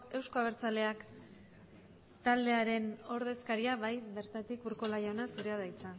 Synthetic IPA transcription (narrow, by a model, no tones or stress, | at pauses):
e̞wsko̞aβ̞ɾt͡sale̞ak | t̪ald̪e̞aɾe̞no̞ɾðe̞skaɾiaβajβe̞ɾt̪at̪ikuɾkolajaonasuɾeað̞ajt͡sa